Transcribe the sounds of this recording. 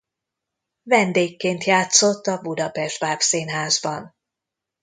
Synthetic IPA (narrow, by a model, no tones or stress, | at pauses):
vɛnd̪eːkːeːnt̪jaːt̪so̞t̪ːɒbud̪ɒpɛʒd̪baːpseːnɦaːzbɒn